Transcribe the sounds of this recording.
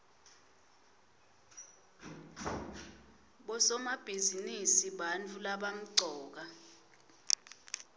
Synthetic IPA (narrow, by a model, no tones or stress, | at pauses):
ɓɔsɔmab̥ʱizinisiɓant͡fʰulaɓam̩ǀʱɔːk̬a